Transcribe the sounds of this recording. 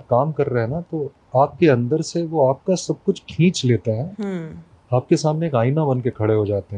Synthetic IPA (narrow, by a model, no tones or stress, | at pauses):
kaːmkɐɾːɐɦɛnat̪o | aːp̚keɐ̃nd̪əɾseʋoaːp̚kasɐb̚kʊt͡ʃʰkʰĩːt͡ʃleːt̪aɦɛːɦ | aːp̚kesaːmneːkaːɪnabɐnkekʰɐɽeɦod͡ʒaːt̪eɦɛ̃